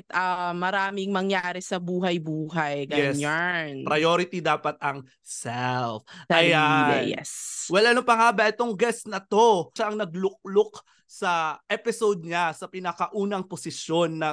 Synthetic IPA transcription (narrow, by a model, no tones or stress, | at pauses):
t̪ɐmɐɾaːmɪŋmɐŋjaːɾɛsɐbuːɦɐjbuːɦɐjɡɐjɛanpɾɐjoːɾɪt̪id̪aːpɐt̪̚ɐŋ | sɛlfɐjaɛ̰jɛ̰swɛlʔɐnoŋpɐŋaːbɐʔɛt̪o̞ŋɡɛst̪nɐt̪o̞ʃaʔɐŋnɐɡlʊk̚lok | sɐʔɛpɪsowd̪̚ɲasɐpɪnɐkɐʔuːnɐŋposɪsjo̞nːɐ